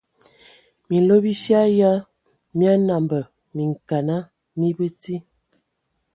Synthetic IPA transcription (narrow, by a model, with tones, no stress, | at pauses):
mi˨lo˦bi˦ʃja˦ja˦ | mja˦na˨mbə˨ | mi˨ŋ˨ka˨na˦ | mi˦bə˦ti˦